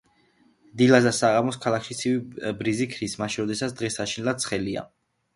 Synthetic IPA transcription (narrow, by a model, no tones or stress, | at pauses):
d̪ilazasaʁamɔskʰalˠakʰʃit̪sʰivibɾizikʰɾismaʃiɾɔd̪ɛsat̪sʰd̪ʁɛsaʃinɛlˠat̪t̪sʰχɛlia̰